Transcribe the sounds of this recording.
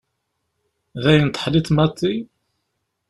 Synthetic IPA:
ðæjənt̪ˤːə̥ħlit̪mɑt̪ˤːi

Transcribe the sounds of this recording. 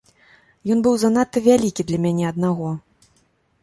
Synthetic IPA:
jɔnbɨwzanat̪ːɨvʲalʲikʲid̪lʲɐmʲanʲɛɐd̪̚naɣɔ

